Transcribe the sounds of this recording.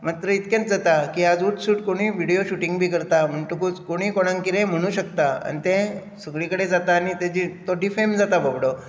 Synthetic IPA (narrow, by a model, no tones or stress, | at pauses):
mat̪ɾəit̪kẽt͡sd͡zat̪akiad͡zuʈsuːʈkoɽ̃iːʋiɽijoɕuʈiŋɡbʱiːkəɾt̪am̤əɳʈukuːt͡skoɽ̃iːkoɽ̃ãŋkiɾẽm̤əɽ̃ũːɕəkt̪aa̰nit̪ẽ | səɡɭikəɽed͡zat̪aːnit̪ẽd͡ʑit̪oɖifemd͡zat̪abəbɽo